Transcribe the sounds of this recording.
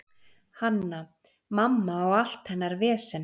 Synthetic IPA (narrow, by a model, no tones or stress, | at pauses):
hanːa | mamːaɔɣal̥t̪hɛnːaɾvɛːsɪn